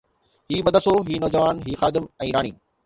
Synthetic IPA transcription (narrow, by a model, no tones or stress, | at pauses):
hiːbɐd̪ʱəsoɦiːnɔːd͡ʑəʋaːnɦiːxaːd̪ɪmɛ̃ːɾaːɽ̃iː